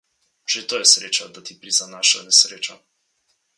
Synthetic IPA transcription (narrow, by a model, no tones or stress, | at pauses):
ʒ̥ɛt̪ojɛsɾeːt͡ʃad̪at̪ipɾizanaʃa̰nɛsɾeːt͡ʃa